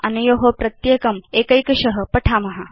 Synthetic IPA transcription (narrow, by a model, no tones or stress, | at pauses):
ɐnujoɦopɾɐt̪jekɐmeːkɐjkɐɕɐɦɐ̆pɐʈʰaːmɐɦɐ